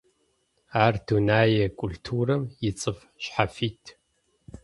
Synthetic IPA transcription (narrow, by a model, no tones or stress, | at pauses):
aːrdʰunaːjɛkʷʼʊltʰuːrɐmjɪt͡sʼɨf | ɕħafiːtʰ